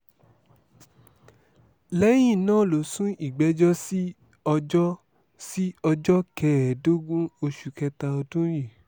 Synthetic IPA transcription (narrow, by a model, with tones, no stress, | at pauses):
lɛ˦j̃ĩ˦˨nãː˦˨lo˨sũ˦i˦˨ɡ͡bɛ˨˦d͡ʒɔ˦si˦ | ɔ˧d͡ʒɔ˦ | si˦ɔ˧d͡ʒɔ˦kɛ˧˨ɾɛ˨do˦ɡũ˦o˧ʃu˨kɛ˧ta˧o˧dũ˦ji˦˨